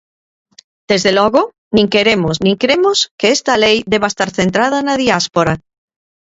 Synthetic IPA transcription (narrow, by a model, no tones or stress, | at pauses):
d̪̥ezðelɔɣʊ | nĩŋkeɾemʊsnĩŋkɾemʊskeest̪ɐlejd̪eβaest̪aɾθent̪ɾað̞ɐnaðiaspoɾa